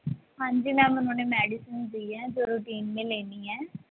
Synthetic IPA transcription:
hãːɲd͡ʒiːnaːlʊnõːneːmɛːɖisənsd̪iːɛːd͡ʒoːɾuʈiːnmẽːleːniːɛː

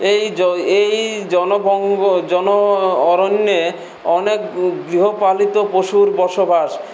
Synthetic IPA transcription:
ejejd͡ʑɔnobɔŋɡod͡ʑɔnoɔɾonːe | ɔnekɡɾiɦopalit̪opoʃuɾbɔɾʃobʱaʃ

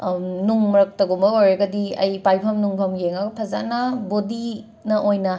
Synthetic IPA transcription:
nuŋmɐɾɐk̚tɐɡumbɐojɾeɡɐdiɐ̰jpajpʰɐmnuŋpʰɐmjeŋɐɡɐpʰɐza̰nɐbodi | nɐʔojnɐ

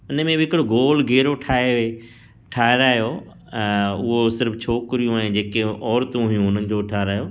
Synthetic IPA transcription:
ʊnmẽbɪɦɪkɪɽoɡoːlɡʱeːɾoʈʰaːeʋe | ʈʰaːeɾaːjo | ʊɦosɪɾft͡ɕʰoːkɾijũaːɦẽd͡ʑeːkeɔːɾt̪ũɦʊjũʊnənɪ̆d͡ʑoːʈʰaːɾaːɦjoː

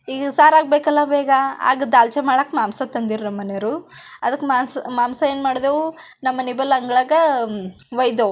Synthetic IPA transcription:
iːɡɐsaːɾaːɡ̚beːkɐlːɐbeːɡɐa̰ːɡɐd̪aːlt͡ʃɐmaːɭakmaːmsɐt̪ɐnd̪iɾunɐmːɐnejɐɾuɐd̪ɐkːemasmaːmsɐeːnmaːɽd̪eːʋu | nɐmːɐnibɐlɐŋɡɐɭaːɡɐ | ʋɐjd̪o

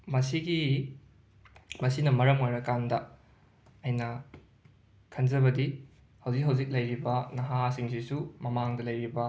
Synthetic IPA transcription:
mɐsiɡi | mɐsinɐmɐɾɐmojɾɐkandɐ | ɐjnɐ | kʰɐnd͡ʒɐβɐdi | hɐwzik̚ɦɐwzik̚lɐjɾibɐnɐɦasiŋsisumɐmaŋdɐlɐjɾibɐ

